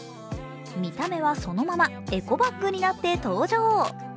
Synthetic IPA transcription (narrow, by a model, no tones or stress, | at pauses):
mʲit̪ame̞βaso̞no̞mama | e̞ko̞baɡːɯ̟ɲ̟inat̪ːe̞t̪o̞ːʑo̞ː